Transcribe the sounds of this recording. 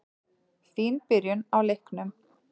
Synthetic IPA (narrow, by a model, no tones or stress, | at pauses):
θiːnpɪɾjʏnawlejhknʏm